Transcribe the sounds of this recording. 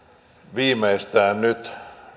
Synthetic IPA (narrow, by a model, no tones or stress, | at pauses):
ʋiːmeist̪æːnnyt̪